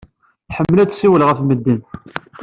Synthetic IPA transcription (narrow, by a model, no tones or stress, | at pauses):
ħəmːəlæt͡sːsiwəlʁəfməd̪ːin